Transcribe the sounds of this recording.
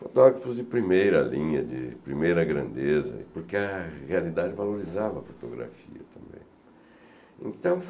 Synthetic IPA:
fot̪ɔɡɾɐfʊzd͡ʒɪpɾimejɾɐlĩɲɐd͡ʒɪpɾimejɾɐɡɾɐ̰̃nd̪ezɐ̰poɾkɪɐhealid̪ad͡ʒɪvaloɾizavɐɐfot̪oɡɾa̰fiɐ̰t̪ʰɐ̃mbḛ̃j̃ | ḛ̃nt̪ɐ̃w̃f

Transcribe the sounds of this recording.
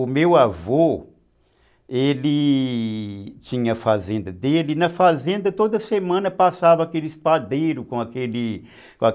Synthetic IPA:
ʊmewavo | eli | t͡ʃĩɲɐɐfazẽnd̪ɐd̪elɪnɐfazẽnd̪ɐt̪od̪ɐsemɐ̃nɐpasavɐakelɪispad̪ejɾʊkõakeli | kõa

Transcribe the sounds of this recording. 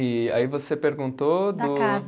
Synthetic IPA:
ɪa̰ivosepeɾɡũnt̪od̪ʊaz

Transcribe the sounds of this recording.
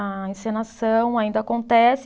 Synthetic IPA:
ɐĩsẽnasɐ̃w̃aĩnd̪ɐakõnt̪ɛs

